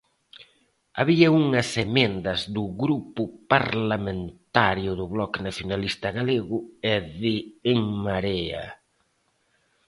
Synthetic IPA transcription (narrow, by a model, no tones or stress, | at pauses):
aβiɐuŋɐsemẽnd̪ɐzðʊɣɾupʊpaɾlamẽnt̪aɾjʊðʊβlɔknaθjonalist̪ɐɣaleɣʊɛðɪːŋmaɾɛa̰